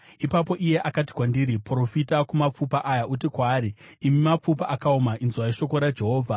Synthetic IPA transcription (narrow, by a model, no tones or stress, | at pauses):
ipap̬o̞ʔije̞ʔakati̥kwandiɾipro̞fitakumap͡fupaʔajaʔutikwaːɾiːmimap͡fupaʔakaumaʔinzuwaiʃo̞ko̞ɾad͡ʒe̞ɦoːvʱa